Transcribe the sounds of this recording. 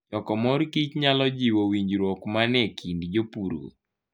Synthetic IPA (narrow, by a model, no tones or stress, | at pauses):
ɔkɔmɔɾkit͡ʃɲalɔd͡ʒiwowiɲd͡ʒɾɔkmanɛkʰindd͡ʒopuɾo̰